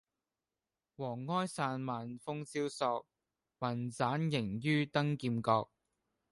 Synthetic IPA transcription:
wɔː˨˩ŋːɔː˥jsaː˧nmaː˨nfʊ˥ŋt͡siː˥wsɔː˧k̚ | mɐ˨˩nt͡saː˨˥njɪ˨˩ŋjyː˥t̪ɐ˥ŋkiː˧mkɔː˧k̚

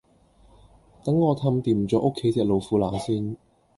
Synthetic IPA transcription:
t̪ɐ˨˥ŋːɔː˨˧t̪ʰɐ˧mt̪iː˨˩m˨t͡sɔː˨˧˥ʔo˥kʰːe˨˥jt͡sɛː˧k̚lo˨wfuː˨˥laː˨˩siː˥n

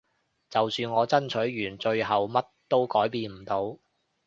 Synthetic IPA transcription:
t͡sɐ˨wsyː˧nŋɔː˨˧t͡sɐ˥nt͡ʃʰɵ˨˥ɥjyː˨˩nt͡ʃɵ˧ɥɦɐ˨wmɐ˥t̚t̪o˥wkɔː˨˥jpiː˧nm̩˨˩t̪o˨˧w

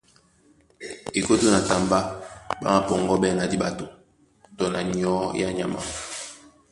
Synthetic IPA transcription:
e˨ko˦to˦na˨ta˨mba˦ba̰˦ma˦pɔ˨ŋɡɔ˦bɛ˦na˨di˦ba˨to˨ | to˨na˨ɲ˨ɔ˦ja˦ɲa˨ma̰˨

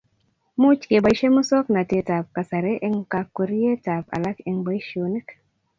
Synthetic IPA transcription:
mu˦t͡ʃke˨ba˨jʃe˦mu˦sɔ˦kna˨te˦ta˨p̚ka˨sa˨ɾe˦ʔɛ˦ŋka˨kːo˨ɾi˦je˦ta˨pa̰˨la˦kɛ˨ŋba˦jʃo˨ne˦k

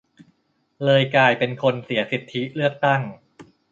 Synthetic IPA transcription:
lɤː˧jkaː˧jpe˧nkʰo˧nsi˩˦ɐsi˨˩t̪ʰːi˦˥lɯ˥˩ək̚t̪a˥˩ŋ

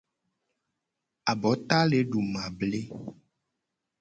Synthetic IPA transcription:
a˨bɔ˨˦t̪a˦le˨˦ɖu˨mã˨ble˦

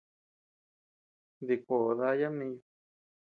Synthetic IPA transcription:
ði˧kʷo˨ʔo˨ða˧˦ja˦mĩ˦˧˦jo˧

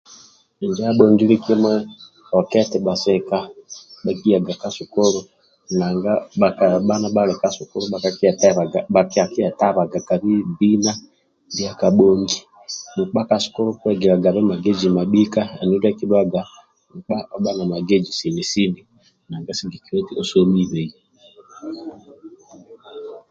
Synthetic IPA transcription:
i˨ɲd͡ʒa˦a˦ɓɔɲɡi˦li˦ki˦mwɛ˦ | ɔ˨kɛ˦tɛ˨ɓa˨sɛ˨kaɓa˨ki˦ja˨ɡa˨ka˨su˨kɔ˦ɾɔ˦ | na˨ŋɡa˦ɓa˨ka˨ɓa˦na˦ɓa˦lɛ˨ka˨su˨kɔ˦ɾu˦ɓa˨kaki˦a˨taβaɡaɓa˨ki˦a˨ki˦a˨ta˦βa˨ɡa˨ka˨βi˦bi˦na˦ | di˦a˦ka˨ɓɔ˨ŋɡi˦ | mu˨k͡pa˦ka˨sɔ̥˦kɔ˦ɾɔ˦kɛ˦ɡɛ˨ɾa˨ɡa˨βɛ˦ma˨ɡɛ˦d͡ʒi˨ma˨ɗi˦ka˦a˨nu˦da˦ki˦ɗwa˦ɡa˨ | mu˨k͡pa˦ʔɔ˦ɓa˦na˨ma˨ɡɛ˦d͡ʒi˨si˨ni˨si˦ni˨ | na˨ŋɡa˦si˦ɡi˨ki˨ɾɛ˦ti˦ɔ˦so˦mi˦βɛ˨jɛ˦

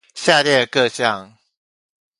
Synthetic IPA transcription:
ɕja˥˧˨ɾjɛ˥˩kɤ˥˧ɕjɑ˥˨ŋ

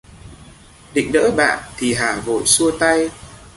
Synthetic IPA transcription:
ɗḭ̈˧˨ŋ̟nə̰ː˧˥ɓa̰ː˧˨nt̪ʰi˨˩ɦaː˨˩vo̰˧˨jsu˧ət̪a˧j

